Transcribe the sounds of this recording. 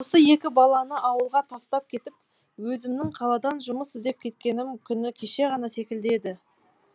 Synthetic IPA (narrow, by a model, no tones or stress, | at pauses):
wosəje̞kʲɪbɑlˠɑnəʔɑwəlˠʁɑt̪ʰɑst̪ɑp̚kʲʰe̞t̪ɪp̚ | wɵzɪmnɪŋqʰɑlˠɑd̪ɑnʒʊməsɪzd̪e̞p̚kʲʰe̞t̪̚kʲe̞nɪmkʲʰʏnɪkʲʰe̞ʃe̞ʁɑnɑse̞kʲɪld̪e̞d̪ɪ